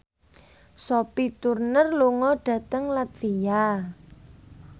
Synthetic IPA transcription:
sɔpit̪urnərluŋɔɖ̥ä̤t̪əŋlat̪̚fija

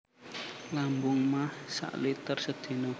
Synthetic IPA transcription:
lambʊŋmahsa̰ʔluiit̪ərsəd̪̥i̤no

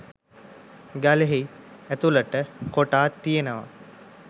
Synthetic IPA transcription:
ɡaleɦiæt̪uləʈəkoʈaːt̪ːijenəʋa̰

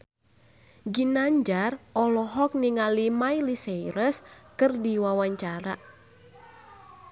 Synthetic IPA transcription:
ɡinaɲd͡ʒarɔlɔɦɔk̚niŋalimailisejɾəskɨrdiwawaɲt͡ʃaɾa

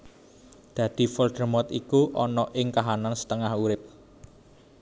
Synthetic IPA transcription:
d̪̥ä̤d̪̥i̤fɔld̪̥ərmɔt̪ikuʔɔnɔʔɪŋkaɦanansə̥t̪əŋahuɾɪp̚

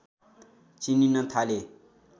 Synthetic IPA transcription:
t͡sininʌt̪ʰale

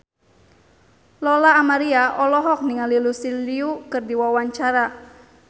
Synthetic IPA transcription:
lɔlaːmaɾiaʔɔlɔɦɔk̚niŋalilusiliukɨrdiwawaɲt͡ʃaɾa

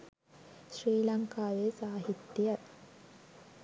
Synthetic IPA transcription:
ɕriːlɐŋkaːʋeːsaːɦit̪ːijɐ

